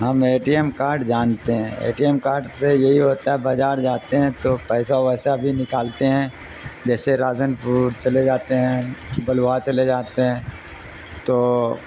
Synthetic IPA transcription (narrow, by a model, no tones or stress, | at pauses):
ɦɐmeːʈiːɛmkaːɾɖd͡ʒaːnt̪eɦɛ̃ḛːʈijɛmkaːɾɖsejɐɦiɦoːt̪aɦɛbɐd͡ʒaːɾd͡ʒaːt̪eɦɛ̃t̪opɛːsaʋɛsabʱinɪkaːlt̪eɦɛ̃ː | d͡ʒɛːseɾaːzənpuːɾt͡ʃɐled͡ʒaːt̪eɦɛ̃bɐlʋat͡ʃɐled͡ʒaːt̪eɦɛ̃ː | t̪oː